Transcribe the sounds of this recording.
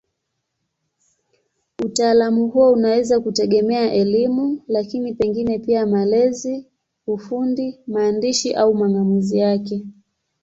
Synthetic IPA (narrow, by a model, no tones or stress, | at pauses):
utaːlamuhuɔunawɛzakutɛɠɛmɛaʔɛlimulakinipɛŋɡinɛpiamalɛzi | ufundimaːndiʃiʔaumaŋɡamuzijakɛ